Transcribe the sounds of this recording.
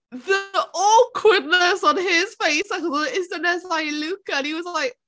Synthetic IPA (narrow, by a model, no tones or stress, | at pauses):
ðəɔˑkʰwɪd̚ⁿnəsn̩ɦɪz̥feɪsakɔzəɪstənɛsaɪlʉkəə̃niwɔzlaɪk̚